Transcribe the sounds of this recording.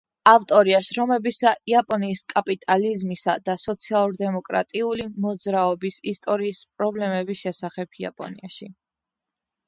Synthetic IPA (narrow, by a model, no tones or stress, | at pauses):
aft̪ʼɔɾiaʃɾɔmɛbisaʔiapʼɔniːskʼapʼit̪ʼalizmisa̰d̪asɔt̪sʰialˠuɾd̪ɛmɔkʼɾa̰t̪ʼiulimɔd̪zɾaɔbisist̪ʼɔɾiːspʼɾɔblɛmɛbisʃɛsaχɛbʰia̰pʼɔ̰nḭaʃi